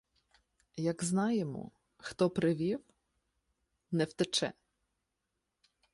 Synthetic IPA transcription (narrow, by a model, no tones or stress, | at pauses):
jɐɡznɑjemɔ̰ | xt̪ɔpɾɪʋʲiw | nɛwt̪ɪt͡ʃɛ̰